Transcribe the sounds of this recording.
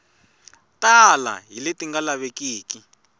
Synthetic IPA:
tʼala̰ɦiletiŋɡalaβekiːki

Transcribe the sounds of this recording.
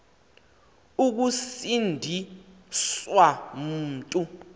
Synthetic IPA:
uk̬usindʱi | sswam̩ːtʼu

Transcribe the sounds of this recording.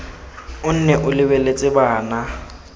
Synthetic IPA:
ʊn̩nɛʔʊlɪbɛlet͡sʼɪbaːna

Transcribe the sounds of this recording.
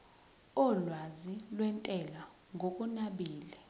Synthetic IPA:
ɔlwazilwɛntʼɛla | ŋɡʱokʼunaɓiːlɛ

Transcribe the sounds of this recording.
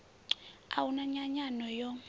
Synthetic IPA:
a̰wunaɲaɲanɔjɔ

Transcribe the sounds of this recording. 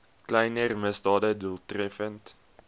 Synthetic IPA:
klɛjnərməsdɑːdəduəlˠtrɛfənt

